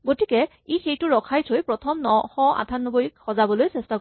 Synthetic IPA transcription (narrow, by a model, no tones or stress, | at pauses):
ɡotikɛ | ixejtʊɹɔkʰajsʰojpɹɔtʰɔmnɔxɔa̰tʰanːɔboik̚xɔzabɔlojsɛsta